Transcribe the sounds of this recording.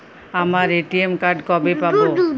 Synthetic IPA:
amaɾeʈiemkaɾɖkɔbepabo

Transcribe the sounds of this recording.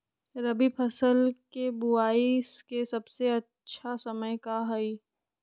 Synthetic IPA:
ɾɐbipʰɐsəlkebʊaːiskesɐbseɐtːʃʰasɐməjkaɦɐi

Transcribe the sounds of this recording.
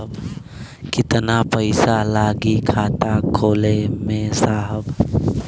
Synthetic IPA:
b | kɪt̪napəɪsalaːɡikʰaːt̪akʰoːlemẽsaːɦəb

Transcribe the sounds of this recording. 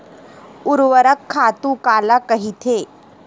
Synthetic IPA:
uɾʋəɾəkʰːat̪ukalakəɦit̪ʰe

